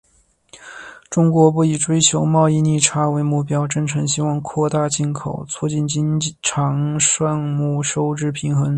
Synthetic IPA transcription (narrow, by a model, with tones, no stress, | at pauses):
ʈ͡ʂʊ˥ŋkwɔ˧˥p̬u˥˩i˨˩ʈ͡ʂwe˥ɪt͡ɕʰjo˧˥ʊmɑ˥˧ʊi˥˧ni˥˩ʈ͡ʂʰa˥we˧˥ɪmu˥˩pjɑ˥ʊʈ͡ʂə˥ŋʈ͡ʂʰɤ˧˥ŋɕi˥wɑ˥˧ŋkʰwɔ˥˧t̪a˥˧t͡ɕi˥˩nkʰo˨˩˦ʊt͡sʰu˥˧t͡ɕi˥˩nt͡ɕi˥n˥ʈ͡ʂʰɑ˧˥ŋʂwa˥˧ŋmu˥˩ʂo˥ʊʈ͡ʂɻ̩˥˩pʰi˧˥ŋxɤ˧˥ŋ